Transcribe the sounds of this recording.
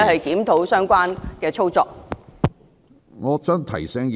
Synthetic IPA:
hɐ˨jkiː˨˥mt̪ʰo˨˥wsœː˥ŋkʷaː˥nkɛː˧t͡sʰo˥wt͡sɔː˧k̚ | ŋɔː˨˧t͡sɐː˥nt̪ʰɐ̰˨˩jsɛː˥ŋ

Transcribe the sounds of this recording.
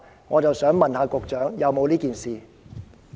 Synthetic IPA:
ŋɔː˨˧t͡sɐ˨wsœː˨˥ŋmɐ˨nhaː˨˧kʊ˨k̚t͡ʃœː˨˥ŋjɐ˨˧wmo˨˧wliː˥kiː˨nsiː˨

